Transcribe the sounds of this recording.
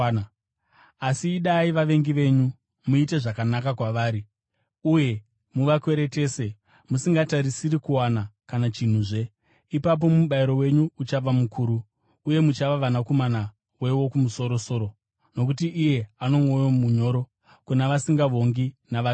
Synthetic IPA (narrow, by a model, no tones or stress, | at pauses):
asiːɗaiʋaʋe̞ŋɡiʋe̞ɲu | muite̞ʐakanakakwaʋaːɾi | uje̞ | muʋakwe̞ɾe̞te̞ːse̞ | musiŋɡataɾisiɾikuwanakanat͡ʃin̤uʐe̞ | ipap̬o̞muɓaiɾo̞we̞ɲuut͡ʃaʋamukʰuːɾuː | je̞mut͡ʃaʋaʋanako̞mana | we̞wo̞kumuso̞ɾo̞so̞ːɾo̞ | no̞k̬utiʔːje̞ano̞mo̞jomuɲo̞ːɾo̞ | kunaʋasiŋɡaʋo̞ŋɡinaʋa